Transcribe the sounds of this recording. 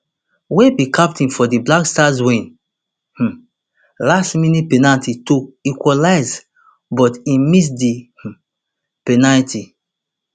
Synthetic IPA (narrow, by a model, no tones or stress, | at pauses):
wɛ̃bikap̚tĩnfɔdiblakstazwĩn | h̩ | lastminipenaltʰitoikwɔlaɪz | bɔtimis̬dih̩ | penalitʰi